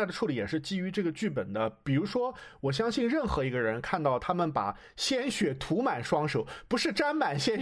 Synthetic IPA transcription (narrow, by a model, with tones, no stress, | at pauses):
ɪd̪ə˩ʈ͡ʂʰu˥˩li˧˥jɛ˨˩ʂɻ̩˥˩t͡ɕi˥y˧˥ʈ͡ʂɤ˥˩ɡə˩t͡ɕy˥˩p̬ə˨˩nd̪ə˦pi˨˩ɻu˧˥ʂwɔ˥wɔ˨˩ɕ̬jɑ˥ŋɕi˥˧nɻə˥˩nxɤ˧˥i˧˥ɡə˧ɻə˧˥nkʰa˥˧nt̪ɑ˥˩ʊt̪ʰa˥mə˨npa̰˨˩ | ɕjɛ˥nɕɥɛ˨˩t̪ʰu˧˥ma˨˩nʂwɑ˥ŋʂo˨˩˦ʊpu˧˥ʂɻ̩˥˩ʈ͡ʂa˥nma˨˩nɕjɛ˥